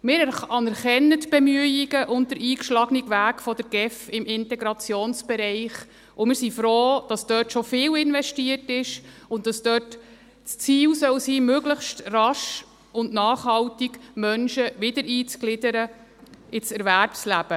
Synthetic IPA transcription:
mɪːɾɛɾɑnɛɾχɛnːətb̥ɛmyəiɡəʔʊnt̚dəɾiːkʃlɑɡnɪɡʋæːkfɔdəɾɡ̥ɛfɪmɪntɛɡɾɑt͡sjoːnsb̥ɛɾɛɪχ | ʔʊmɪːɾsifɾoːd̥ɑsd̥œːtʃɔfɪːlɪnvɛʃtiərtɪʃʊntdɑsd̥œːt | st͡siːwsœwsiːmøɡləχʃtrɑʃ | ʊndnɑːχhɑwtiɡmœnʃəʋɪdəɾʔiːt͡sklɪdəɾə | ʔɪsɛɾvæɾpslæb̥ə

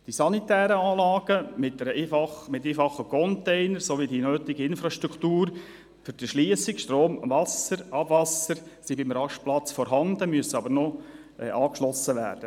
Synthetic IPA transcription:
d̥isɑnitɛːɾəɑːlɑːɡəmɪt̚dɛɾəefɑχmɪteːfɑχəkʰɔntɛɪnəɾsoʋidinøːtɪɡəɪnfɾɑʃtɾuktuːɾ | fʏɾd̥iʃliəsɪkʃtroːmvɑsəɾɑbvɑsəɾsibɪmɾɑʃplɑt͡sfɔɾɦɑndəmyəsəɑbəɾnɔʔɑːkʃlɔsːəʋæ̰ːɾd̥ə

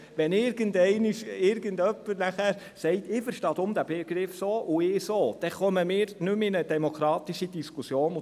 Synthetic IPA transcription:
ʋɛnɪɾɡəndɛɪnɪʃɪɾɡəndœpːəɾnæχæɾ | sɛɪt̪ɪfəɾʃtɑːd̪ʊmd̥̪æb̥eɡ̥ɾɪfsoːʔʊɪsoːd̥ɛχœməmɪːɾnʉmɪnəd̥̪ɛmokʰɾɑːt̪iʃid̥̪iskusjoːnʊ

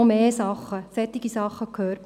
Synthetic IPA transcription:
omeːsɑχəsɛtiɡisɑχəkʰøːrp

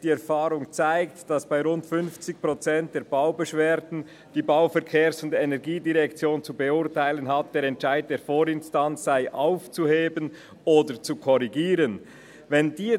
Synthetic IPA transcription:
d̥iːɛɐfaːʁʊŋt͡saɪktd̥asb̥aɪʁʊntfʏnft͡sɪçpʁ̥ot͡sɛnt̚d̥eːɐbaʊbɛʃveːɾdn̩ | d̥iːbaʊfɛɐkʰeːɐsʊndenɛʁɡiːdiʁɛkt͡sjoːnt͡subeʊʁtʰaɪlənɦat̚d̥eːɾɛntʃaɪd̚d̥eːfoːɾɪnstansz̥aɪʔaʊft͡suheːbən | oːdəɾt͡sukʰɔʁiɡiːʁən | vɛndiː

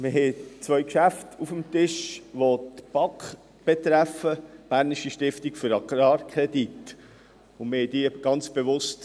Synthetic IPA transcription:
mɪɦɛt͡svœʏkʃæftʰufəmtɪʃʋot̪b̥ɑk | b̥et̪ɾæfəb̥æːɾniʃiʃtɪftikfʏɾɑɡɾɑːrkʰɾɛdit | ʊnmɪhɛdiəɡ̥ɑnt͡sb̥evʊst

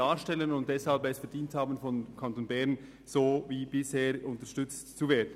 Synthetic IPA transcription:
aːʃtɛlənʊnt̚d̥ɛshalpɛsfɛɐdiːnthaːbən̩fɔnkʰantoːnbɛʁn | z̥oːviːbɪsheːɾʊntəʃtʏt͡stt͡suveːɐdən̩

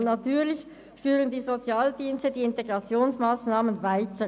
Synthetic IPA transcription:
natʰyːlɪç | fyːʁəndiːzot͡sjaːldiːnstədiːɪnteɡ̥ʁɑt͡sjoːnsmaːsnaːmənvaɪtə

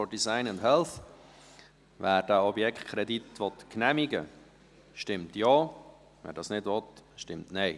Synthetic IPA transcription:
fɔdisaɪnəndɦɛlˠθ | væːɾd̥æːɔbjɛkχtkʰɾɛditʋɔtknɛmiɡə̰ | ʃtɪmtjɑː | væ̰ːɾdɑsnɪdʋɔtʃtɪmtnɛɪ

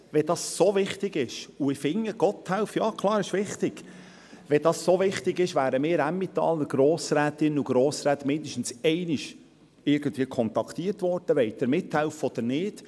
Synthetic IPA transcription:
ʋɛd̥̪ɑssovɪχtɪɡɪʃuɪfɪŋːəɡ̥ɔt̪hælfjɑːkʰlˠɑːɾɪʃʋɪχt̪ɪɡ̥ | ʋɛdɑssoʋɪχtɪɡɪʃʋæːɾəmɪːɾæmːɪt̪ːɑ̰lːəɾɡ̥ɾoːsɾæːt̪ɪnuɡ̥ɾoːsɾæːt̪mɪnd̪əʃtn̩sɛɪnɪʃ | ɪɾɡ̥ənd̪viəkʰɔnt̪ɑkʰt̪iəɾtʋɔɾd̥əʋɛɪt̪əɾmɪt̪hɛlfɔd̪əɾnɪːd̥

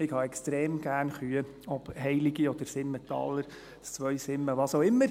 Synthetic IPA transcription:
ɪkhɑɛkstɾeːmɡ̥æːɾnχyə | ɔb̥hɛɪliɡiɔd̥̪əɾsɪmːət̪ɑ̰lːəɾ | st͡sʋœɥsɪmːəʋɑːsoʊɪmːəɾ

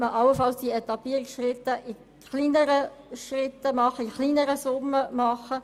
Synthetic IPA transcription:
məʔɑləfɑlsd̥iɛt̪ɑpiːɾɪksʃrɪt̪ːəʔɪ | χliːnəɾə | ʃrɪt̪ːəmɑχəɪχliːnəɾəsʊmːəmɑχə

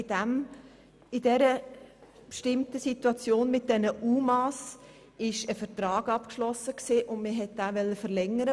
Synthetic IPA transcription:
dæm | ɪdɛɾə | pʃtɪmtəsit̪wɑt͡sjoːnmɪt̚d̥ɛnəʔuːmɑs | ɪʃəfəɾtɾɑːɡ̥ɑpkʃlɔsəksiːʔʊndmɪɦɛt̚d̥aːʋɛlːəfəɾlɛŋːəɾə

